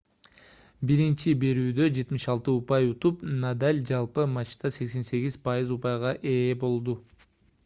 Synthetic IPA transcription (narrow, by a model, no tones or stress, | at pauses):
biɾint͡ʃibe̞ɾyːd̪ø̞d͡ʒe̞t̪miʃɑlˠt̪ɯupɑjut̪upnad̪alʲd͡ʒɑlˠpɯmɑt͡ʃt̪ɑse̞kse̞nse̞ɡʲizpajɯzupɑjʁɑʔe̞ːbo̞lˠd̪u